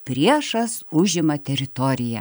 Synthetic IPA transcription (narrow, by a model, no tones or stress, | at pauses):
pʲɾʲiɛʃɐsʊʒʲɪmɐt̪ʲɛɾʲɪt̪oːɾʲɪjɛ̰